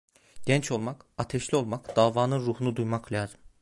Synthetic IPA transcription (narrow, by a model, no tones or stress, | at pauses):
ɟ̥ɛnt͡ʃʰo̞lˠmakat̪ʰɛʃlʲio̞lˠmakd̪̥aːvaːnɯnɾuhunud̪ujmakʰlʲaːzɯm